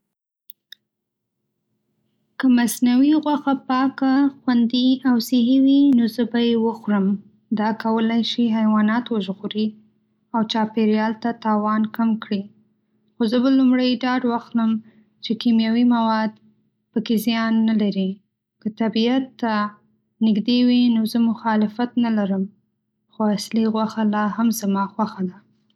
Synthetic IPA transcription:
kəmasnawiɣwaxapɑkaxwand̪iawsɪɦiwinozəbajewəxuɾəm | d̪ɑkawəlajʃiɦajwɑnɑt̪wəʒɣuɾi | awt͡ʃɑpeɾjɑlt̪at̪ɑwɑnkamkɽi | xozəbalumɽəjɖɑɖwaxt̪ləm | t͡ʃekimjawimawɑd̪ | pəkezijɑnːalaɾi | kət̪abiat̪ːa | nɪɡd̪ewinozəmʊxɑlɪfat̪nalaɾəm | xoasliɣwaxalɑhamzamɑxwaxad̪a

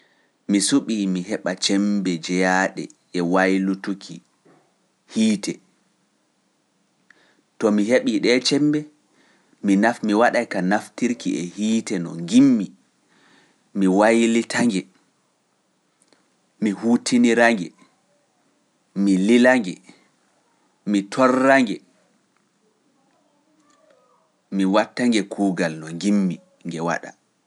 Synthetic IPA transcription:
misuɓiːmiɦɛɓat͡ʃɛmbɛd͡ʒɛjaɗɛ̰ | ɛwajlutukʰi | hiːtɛ | tɔmiɦeɓiɗɛt͡ʃɛmbɛ | minafmiwaɗajkanaftiɾkiʔɛhiːtɛnɔ̰ŋɡimːi | miwajlitʰaŋɡɛ | mihuːtʰiniɾaŋɡɛ | mililaŋɡɛ | mitʰɔrːaŋɡɛ | miwatːaŋɡɛkʰuːɡalnɔŋɡimːi | ŋɡɛwa̰ɗa̰

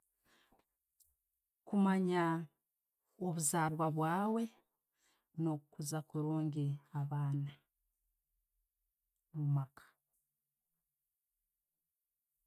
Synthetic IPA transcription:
kumaɲa | oβuzaːɾwaβwaːwe̞ | nokuzakuɾoːŋɡiaβaːna | mumakʰḁ

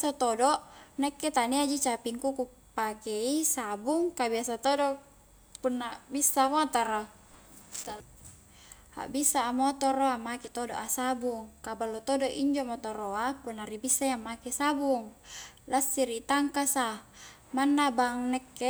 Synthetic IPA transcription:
sat̪odɔʔnɛkːet̪aniad͡ʒit͡ʃapiŋkuku | pakeisabuŋkabiasat̪odo | punːabisːamot̪aɾa | t̪a | a̰bisaːmot̪oɾoamakit̪odoʔasabuŋkabalːot̪odoʔiɲd͡ʒomot̪oɾoapunːaɾibisːajaŋmakesabuŋlasːiɾiʔt̪aŋkasa | manːabaŋnɛkːe

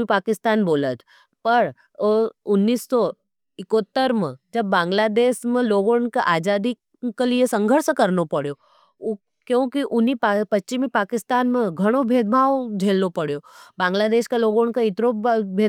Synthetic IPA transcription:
ipaːkɪst̪aːnboːlət̪ʰ | pɐɾ | ʊnːisːɔ | ɪkot̪ːəɾmḛ̃d͡ʒɐbːãːŋɡlaːd̪eːʃmẽloːɡoːɳkaʔaːd͡ʒaːd̪ik | kelijesɐ̃ŋɡʱəɾskɐɾnopɐɽjo | kjõːkiʔʊnippɐtːt͡ʃimẽpaːkɪst̪aːnmẽɡʱɐɽ̃obʱeːd̪̚bʱaːʋd͡ʒʱeːlnopɐɽjoːbãːŋɡlaːd̪eːʃkaloːɡoːɳkaɪt̪ɾobʱeː

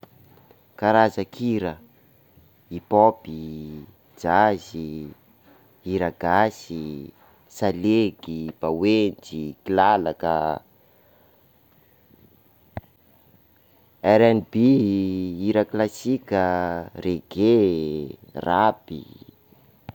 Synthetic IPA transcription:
kaɾazəkʰiɾə | ipopi | d͡ʒazi | iɾaɡ̥asi | saleɡib̥awend͡ʒikilalakə | ɛɾɛnibi | iɾaklasikʲəreɡe | rapḭ

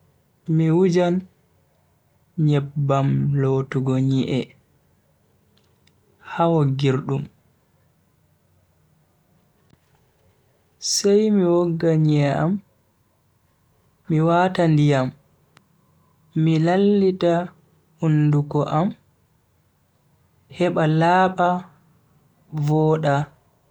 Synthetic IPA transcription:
miwud͡ʒan | ɲɛbːamlotuɡɔɲiʔɛ | hawɔɡiɾɗum | sajmiwoɡːaɲɛʔa̰m | iwaːtandijam | ilalːita | undukɔʔam | hɛɓalaːɓa | vɔːɗa

